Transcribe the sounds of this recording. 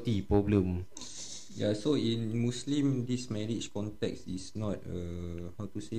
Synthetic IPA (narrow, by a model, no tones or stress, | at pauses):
t̪ipɹɔblə̃m | jasoĩnmuslĩmdismɛɹit͡ʃkɔ̃ntɛ̰ksisnɔt̚əhawtuse